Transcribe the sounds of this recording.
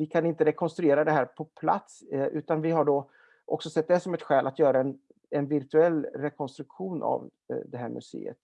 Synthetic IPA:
vɪkʰanɪnt̪əɾɛkʰɔnst̪ɾɵeːɾad̪ɛɦæːɾpʰɔpʰla̰t̪sʔʉ̟ːt̪anvɪɦaɖɔ | ʔɔ̰ksɔsɛt̪̚ːd̪ɛsɔmɛt̪ɧɛːlʔat̪jœːɾaɛn | ɛnvɪɾt̪ʰɵɛlːɾɛkʰɔnst̪ɾɵkɧuːnʔa̰v | d̪ɛɦæːɾmɵ̰sḛːə̰t̪

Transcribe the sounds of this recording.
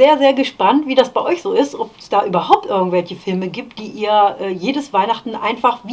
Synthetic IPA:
zeːɐzeːɐɡəʃpantv̥iːdasb̥aɪʔɔʏçz̥oːɪstʔɔpɛsd̥aːʔyːbɐɦaʊp̚tʔɪɐɡŋ̩tv̥ɛlçəfɪlməɡiːp̚t̚d̥iːʔiːɐʔɛːjeːdəsv̥aɪnaχtn̩ʔa̰ɪnfaχvː

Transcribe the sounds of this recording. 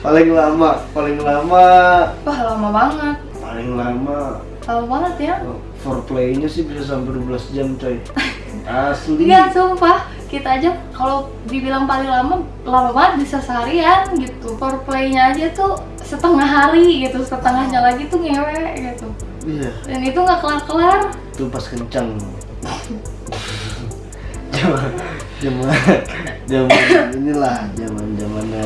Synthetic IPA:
palɪŋlamapalɪŋlamapahlamabaŋət̪̚palɪŋlama | lamamabaŋət̪ja | fɔrplejɲasɪhbisas̬ampɛdubəlasd͡ʒamt̪ai | asbiɡat̪ʊŋpah | kit̪aːd͡ʒakalo | dibilaŋpalɪŋlama | lamabaŋət̪̚bisasəɦaɾianɡit̪upɔrpleiɲaːd͡ʒat̪u | sət̪əŋaɦaɾiɡit̪usət̪əŋahɲalaɡit̪uŋewɛʔɡit̪u | ijadanit̪uŋɡaʔkəlarkəlar | t̪upaskəɲt͡ʃaŋ | d͡ʒaman | d͡ʒama | d͡ʒamaninilahd͡ʒamand͡ʒamana

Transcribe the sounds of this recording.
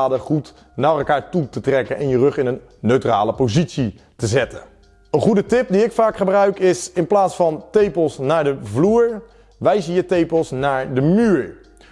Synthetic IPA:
dəχut | naːrɛlˠkaːɹtutətrɛkənʔɛnjərɵχɪnənː | øɥtra̰ːləpozitsi | təzɛtən | ənχudətɪp̚diɪkfaːkχəbrœɥkɪsɪnplaːtsfɑntejpəlˠsnaːɹdəvluːɹ | ʋɛjsəjətejpəlˠsnaːɹdəmyːɹ

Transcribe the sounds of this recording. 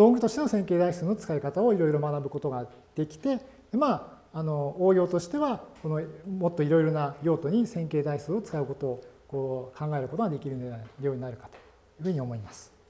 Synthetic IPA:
d̪õ̞ŋɡɯ̟t̪o̞ɕi̥t̪e̞no̞sẽŋke̞ːd̪aist͡sɨːno̞t͡sɨ̥kaikat̪ao̞iɾo̞iɾo̞manabɯ̟ko̞t̪o̞ɡa | d̪̥e̞kʲi̥t̪e̞ | d̪̥e̞maː | no̞oːɡʲo̞ːt̪o̞ɕi̥t̪e̞βako̞no̞mo̞t̪ːo̞iɾo̞iɾo̞najo̞ːt̪o̞ɲ̟isẽ̞ŋkeːd̪ait͡sɨːot͡sɨ̥kaɯ̟ko̞t̪o̞ːko̞ːkʰãŋɡae̞ɾɯ̟ko̞t̪o̞ɡad̪e̞kʲiɾɯ̟jo̞ːɲ̟inaɾɯ̟kḁt̪o̥ | jɯ̟ɸɯ̟ːɲ̟io̞mo̞imasɨ̥

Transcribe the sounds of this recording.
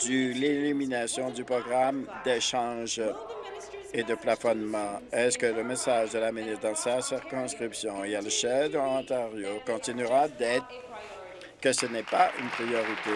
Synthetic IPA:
d̪̥ylelyminasjɔ̃d̪ypχɔɡʁamd̪eʃɑ̃ʒ | ed̪əplafɔnmɑ̃ɛskələmesaʒd̪əlamənɛd̪ɑ̃sasiʁkɔ̃skχipsjɔ̃ilaləʃɛd̪əɑ̃t̪aʁjokɔ̃t̪inyʁad̪ɛːt̪χ | kəsənɛpaʔy̰npχijɔʁit̪e

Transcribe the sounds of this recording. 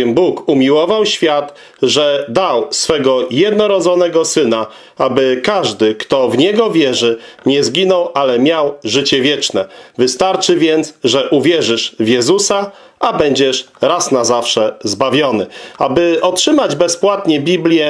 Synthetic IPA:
ɛmbukumʲiwɔvawɕfʲjat̪ | ʐɛd̪awsfɛɡɔjɛd̪nɔɾɔd̪zɔnɛɡɔsɘna | abɘkaʐd̪ɘkt̪ɔvɲɛɡɔvʲjɛʐɘɲɛzɡʲinɔwʔalɛmʲjawʐɘt͡ɕɛvʲjɛt͡ʂnɛvɘst̪aɾt͡ʂɘvʲjɛnt̪sʐɛʔuvʲjɛʐɘʂvjɛzusa | ʔabɛɲd͡ʑɛʂɾasnazafʂɛzbavʲjɔnɘabɘɔtʂɘmad͡ʑbɛspwat̪ɲɛbʲiblʲjɛ

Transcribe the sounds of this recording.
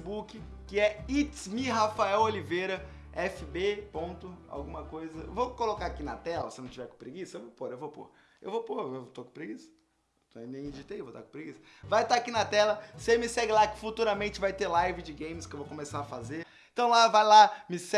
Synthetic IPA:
bukɪ | kɪɛitmiɦafaɛwolivejɾɐ | ɛfɪbepõnt̪ʊa̰wɡũmɐkojzɐvokolokaɾakinɐ̰t̪ɛlɐsɪnɐ̃w̃t͡ʃivɛɾkõpɾeɡisɐewvopoɾewvopo̰ɾ | ewvopoɾewt̪okõpɾeɡisɐ̥ | t̪nẽj̃d͡ʒit̪ejewvot̪a̰kõpɾeɡisɐ̥ | vajt̪aakinɐt̪ɛlɐsemɪsɛɡɪlakɪ̥fut̪uɾɐmẽnt͡ʃɪvajt̪eɾlajvɪd͡ʒɪɡẽj̃mɪskɪewvokõmesaɾɐfazeɾ | ẽt̪ɐ̃w̃lavajlamɪsɛ

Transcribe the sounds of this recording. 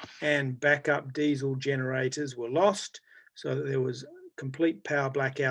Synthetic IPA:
ɨ̃nbækʌp̚d̥izl̩ˠd͡ʒɛnə˞eɪɾə˞zwə˞lɔstsoʊððə˞wʌz̥kʰm̩pʰl̥it̚pʰaʊə˞blækaʊ

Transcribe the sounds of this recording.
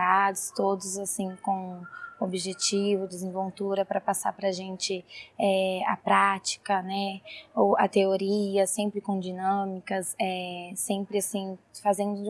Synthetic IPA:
ad̪ʊst̪od̪ʊzasĩkõw̃obiʒet͡ʃivʊd̪ɪzẽvolt̪uɾɐpɾɐpasaɾpɾɐʒẽnt͡ʃɪɛɐ̰pɾat͡ʃi̥kɐnɛoɐ̰t̪eoɾiɐsẽmpɾɪkõd͡ʒinɐ̃mikɐsɛsẽmpɾɪasĩfazẽnd̪ʊ

